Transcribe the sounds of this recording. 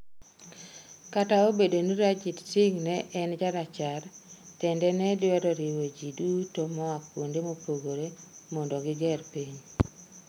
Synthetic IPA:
kataobedoniɾad͡ʒitsɪŋnɛʔɛnd͡ʒaɾat͡ʃartɛndɛnɛdwɛɾɔɾiwod͡ʒidutomɔakwondemopoɡoɾemɔndɔɡɪɡɛrpiɲ

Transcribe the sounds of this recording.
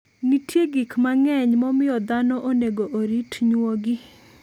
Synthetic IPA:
nitʰjeɡikmaŋɛɲmɔmɪɔd̪anɔʔoneɡoʔoɾitɲwoɡɪ

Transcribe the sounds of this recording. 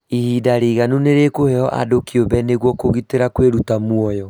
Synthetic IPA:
ihidaɾeːɣanuneɾekohɛɔʔa̰dokiobɛneɣwɔkoɣiteɾakweɾutamwɔjɔ

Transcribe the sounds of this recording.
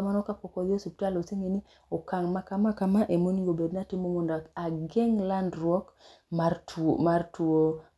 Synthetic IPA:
manɔkapokɔðosuptaloseŋeni | okaŋmakamakamaʔemoniŋɡobednatimoŋondaaɡeŋlandɾwɔk | mamartuo

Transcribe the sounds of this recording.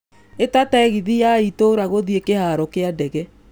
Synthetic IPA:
etataɛɣiðijaitoɾaɣoðiekehaɾɔkeadɛɣɛ

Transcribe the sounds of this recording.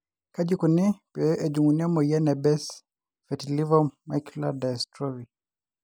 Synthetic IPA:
kad͡ʒikunipɛʔɛd͡ʒuŋuniamɔjanabɛs | fɛtilivɔmajkuladastɾɔvi

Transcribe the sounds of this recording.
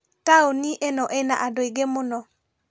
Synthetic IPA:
taoniʔenɔʔɛna̰ʔadoiɡemʊnɔ

